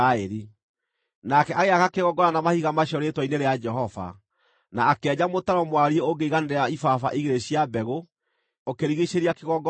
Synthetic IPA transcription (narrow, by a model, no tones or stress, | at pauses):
aeɾi | nakɛʔaɣeaɣakeɣɔɡɔɾanamahiɣamaɕɔɾetwɔineɾead͡ʒɛɦɔva̰ | naːkɛːd͡ʑamotaɾɔmwaɾieoɡeiɣaneɾeaifafaʔiɣeɾeɕiabɛɣo | okeɾiɣeɕeɾiakeɣɔɡɔ